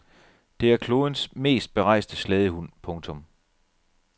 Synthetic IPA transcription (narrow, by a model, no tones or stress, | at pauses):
d̥e̝æɐkʰlo̝ːðˠənsme̝̰ːsd̥̚b̥e̝ʁɑ̈ɪ̰sd̥əslɛð̞ˠəhun̰pʰɔ̽ŋt͡sʰɔ̽m